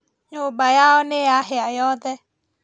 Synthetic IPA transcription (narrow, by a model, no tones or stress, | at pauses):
ɲobajaɔneaɦɪajɔːd̪ɛ